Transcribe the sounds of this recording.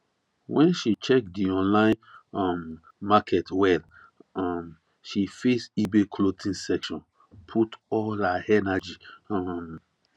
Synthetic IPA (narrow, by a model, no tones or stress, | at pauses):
wɛ̃nʃit͡ʃɛk̚diɔ̃nlãɪ̃nɔmː | akʰɛtwɛl | ɔm | ʃifesibekʰlotʰĩnsɛkʃɔ̃n | pʰutɔlaɛnad͡ʒiɔm